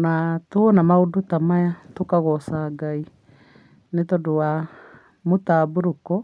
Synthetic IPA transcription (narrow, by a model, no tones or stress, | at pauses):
natwɔnamaodutamajatokaɣɔsaɡai | netɔdowa | motaːbuɾukɔ